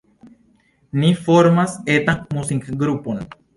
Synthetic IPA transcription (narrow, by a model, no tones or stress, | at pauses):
nifoɾmaset̪ãŋmusiŋkɡɾupon